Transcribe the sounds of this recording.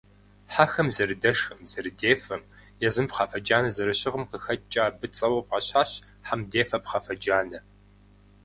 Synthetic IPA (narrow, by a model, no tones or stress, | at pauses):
ħaxɐmzɐrɨdɐʂxɐmzɐɾɨdeːfɐmjɛzɨmpχɑfɐd͡ʒaːnɐzɐɾɨɕɪʁəmqəxɐt͡ʃʼaːbɨt͡sʼɐwɐwʁɐɕaːɕ | ħamdeːfɐpχɐfɐd͡ʒaːnɐ